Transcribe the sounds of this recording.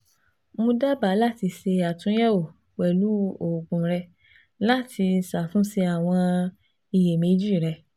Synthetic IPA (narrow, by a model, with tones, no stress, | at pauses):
mõ˧da˦ba˨˦la˦˨ti˧se˧a˨tũ˨˦jɛ˦wo˨ | wɛ˨lu˨˦o˨ɡ͡bũ˨ɾɛ˧ | la˦ti˧sa˨fũ˦se˧a˨w̃ɔ̃˧ | i˨je˨me˨˦d͡ʒi˦˨ɾɛ˧